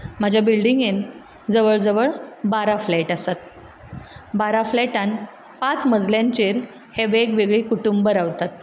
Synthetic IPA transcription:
m̤ad͡ʑʱjabilɖiŋɡen | d͡zəʋəɭd͡zəʋəɭbaɾaflɛʈasat̪̚ | baɾaflɛʈan | pat͡sməd͡zljaɲt͡ɕeɾ | heʋeɡʋeɡɭiːkuʈumbəɾaʋt̪at̪

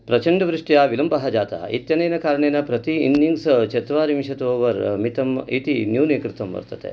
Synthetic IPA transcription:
pɾɐt͡ʃɐɳɖɐʋɾuʂʈjaːʋilɐmbɐɦɐd͡ʒaːt̪ɐ̰ḭt̪jɐnejnɐkaːɾɐɳeːnɐpɾɐt̪iːnːiŋɡst͡ʃet̪ʋaːɾimʃɐt̪ʋɔːʋɐɾmit̪ɐmit̪injuːneːkɾɪt̪ɐmʋɐ̰ɾt̪ɐt̪ḛ

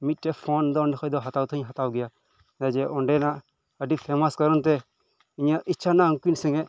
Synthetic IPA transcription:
mit̪̚ʈɛpʰɔnd̪ɔnikʰɔjd̪ɔɦat̪awt̪ʰəɲɦat̪awɡɛja | ad͡ʒɛʔɔɳɖɛna | əɖipʰɛmaskɔɾɔnt̪ɛ | iɲaʔʔitːt͡ʃʰanaŋkinsɛŋɛʔ

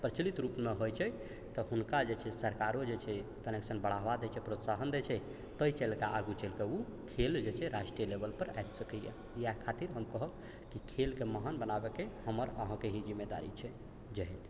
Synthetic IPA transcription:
pɾət͡ʃəlit̪ɾupmeɦojt͡ʃʰɛ | t̪ɔɦunkad͡ʒet͡ʃʰɛsəɾkaɾod͡ʒet͡ʃʰɛ | kəneksənbəɽ̤aɦbad̪et͡ʃʰɛpɾot̪saɦənd̪et͡ʃʰɛ | t̪əit͡ʃɛlkaaɡut͡ʃelkeu | kʰeld͡ʒet͡ʃʰɛɾaʃʈɾijəlebəlpəɾa̰jt̪səkəjḛ | jakʰat̪iɾɦəmkəɦəb | kikʰelkeməɦanbənabekehəməɾəɦãkeɦid͡ʒimːed̪a̰ɾḭt͡ʃʰɛ | d͡ʒeɦɛn

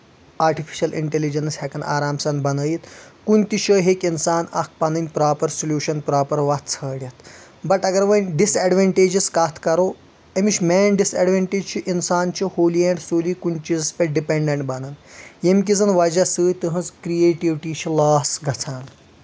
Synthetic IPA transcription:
aːɾʈifʰi̥ʃɐlʔḭɳʈelid͡ʒɐnshɛkɐna̰ːɾaːmsɐnbɐnəjit̪kunʲt̪iʃɐɦeːkinsaːnɐ̰k̚pɐnɐnʲpɾaːpɐɾsoljuːʃɐnpɾaːpɐɾʋɐt̪t͡sʰəːɽjɐt̪ʰ | bɐʈɐɡɐɾʋənɖisɛɖʋeɳʈeːd͡ʒiskaːt̪ʰkɐɾoː | ɐmit͡ʃʰmɛːnɖisɛɖʋeɳʈeːd͡ʒt͡ʃʰiʔinsaːnt͡ʃʰihoːliẽɳɖsoːliːkunt͡ʃizɐspʲẽɖipeɳɖeɳʈbɐnɐnjemk̬id͡zɐnʋɐd͡ʒasɨːjt̪ɨɦɐ̃zkɾijeːʈiʋʈiːt͡ʃʰilaːsɡʱɐt͡sʰaːn

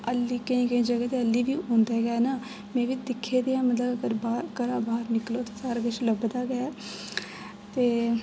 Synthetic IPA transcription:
əlːiːkəĩːɡəĩːd͡ʒəɡɛːt̪eəlːiːʋiːõːnd̪eːɡɛɛnaː | mɛ̃ːʋiːd̪ɪkʰːeːd̪eːãːmət̪ləbəɡəɾbaːkəɾaːbaːɾnɪkloːt̪aːsaːɾɡəʃləbd̪aːɡəɛː | t̪eː

